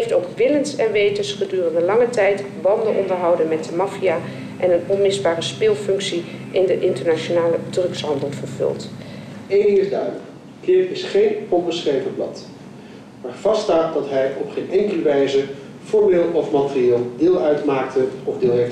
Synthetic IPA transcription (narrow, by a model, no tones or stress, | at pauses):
ftowkʋɪlənsɛnʋejtəsχədyːrəndəlɑŋətɛjtbɑndənʔɔndəɹɦɑwdənmɛt̚dəmɑfiaː | ʔɛnənɔnmɪzbaːrəspɪːlˠfɵŋksiʔɪndəʔɪntəɹnaʃonaːlədrɵksɦɑndəlˠv̥əɹvɵ̰lˠtejndɪŋɪzdœɥdələk | klɪpɪsχejnɔnbəsχrejvəblɑ̰t | maːɹv̥ɑstaːt̚dɑtɦɛjɔpχenɛŋkələʋɛjzə | v̥ʊːɹbeːlˠtɔfmatərieːlˠdɪːlˠœɥtmaːk̚təɔvdɪːlˠɦejf